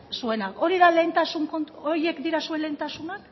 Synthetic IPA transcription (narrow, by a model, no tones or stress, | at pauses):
sue̞nako̞ɾiðale̞nt̪asuŋkooɾje̞kd̪iɾasue̞nle̞nt̪asunak